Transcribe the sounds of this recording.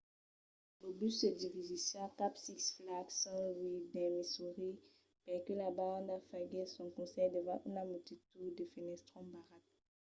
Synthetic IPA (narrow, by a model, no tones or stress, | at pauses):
lobysəd̪ivizisakapsiksflaksãlwid̪ɛmisuʁi | pɛkølabaʁãnd̪afaɡɛsɔ̃kɔ̃sɛjd̪evãʔunamet̪it̪ud̪əfenɛst̪χɔ̃baʁat̪̚